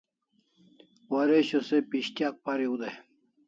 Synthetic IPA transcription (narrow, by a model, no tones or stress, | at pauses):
wɐɾeɕosepiɕt̪jak̚paɾiud̪e